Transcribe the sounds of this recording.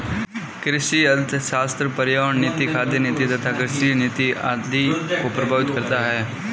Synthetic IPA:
kɾɪʃiɐlt̪ʰʃaːst̪ɾəpɐɾjaːɳːit̪ikʰaːd̪jənit̪it̪ɐt̪ʰakɾɪʃinɪt̪iaːd̪ʱikopɾɐbʱaːʋɪt̪kɐɾt̪aɦɛː

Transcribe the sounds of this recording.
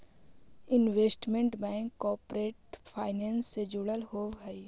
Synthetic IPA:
ɪnʋeːsʈmẽɳʈbɛ̃ːŋkːɔːpɾeːʈpʰaːɪnɛ̃ːnsːed͡ʒʊɽəlhoːʋɦɛi

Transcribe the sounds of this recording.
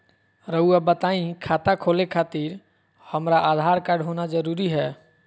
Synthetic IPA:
ɾəuabət̪aĩkʰaːt̪akʰoːlekʰaːt̪iɾ | həmɾaʔad̪ʱaːɾkaɖʱɦonad͡ʒəɾuːɾiɦɛː

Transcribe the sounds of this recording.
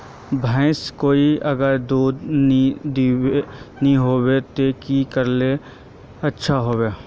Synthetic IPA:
bʱãɪskoːiɐɡəɾd̪uːd̪nid̪iwenĩɦoːwet̪ekikəɾle | ɐtːʃʰaɦoːweː

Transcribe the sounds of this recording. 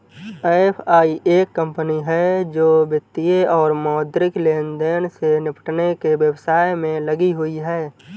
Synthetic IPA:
eepʰaːiʔeːkːə̃mpəniɦɛd͡ʒoːbjət̪ːijeɔːɾmɔːd̪ɾɪkleːnd̪eːnsenɪpʰə̥ʈnekeʋjəwsaːjmẽləɡiɦʊiɦɛː

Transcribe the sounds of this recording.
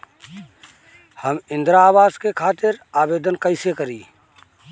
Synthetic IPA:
həmɪ̃nd̪ɾaːbaːskekʰaːt̪ɪɾaːbeːd̪ənkəɪsekəɾiː

